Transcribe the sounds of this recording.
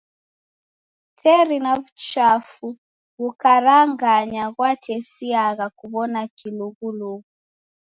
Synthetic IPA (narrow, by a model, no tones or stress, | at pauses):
tʰɛɾinaβut͡ʃafu | ɣukaɾaŋɡaɲaɣwatɛsiaɣakuβɔnakiluɣuluɣu